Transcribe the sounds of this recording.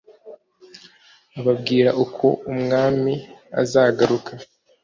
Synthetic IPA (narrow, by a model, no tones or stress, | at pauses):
aβabɡiːɾaʔukʰo̞̰umŋaːmia̰zaːɡaɾukʰa